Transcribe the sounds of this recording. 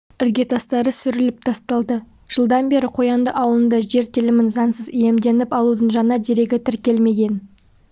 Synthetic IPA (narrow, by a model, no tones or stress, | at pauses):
ɪɾɡʲe̞t̪ʰɑst̪ɑɾəsʏɾɪlɪp̚t̪ʰɑst̪ɑlˠd̪ə | ʒ̥əlˠd̪ɑnbe̞ɾɪqʰo̞jɑnd̪əʔɑwlˠənd̪ɑʒe̞ɾt̪ʰɪlɪmɪnzɑnsəzije̞md̪e̞nɪpɑlˠud̪əɴʒɑnɑd̪e̞ɾe̞ɡʲɪt̪ʰɪɾkʲe̞lme̞ɡʲe̞n